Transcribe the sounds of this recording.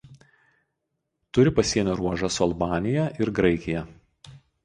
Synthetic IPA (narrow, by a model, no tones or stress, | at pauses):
t̪ʊɾʲɪpɐsʲiɛnʲɛɾuɔʒɐsʊɐlˠbɑːnʲɪjɛʔɪɾɡɾɐɪkʲɪjɛ